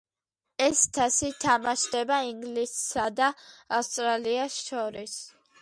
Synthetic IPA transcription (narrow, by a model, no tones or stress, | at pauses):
ɛst̪ʰasit̪ʰamaʃd̪ɛbaiŋɡlisːad̪aafst̪ʼɾaliasʃɔɾis